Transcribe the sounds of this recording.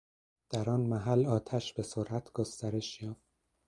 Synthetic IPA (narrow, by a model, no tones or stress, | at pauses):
d̪̥æɾɒːnmæɦælɒːt̪ʰæʃbe̞soɾʔæt̪ʰɡ̥ost̪æɾe̞ʃjɒːft̪̚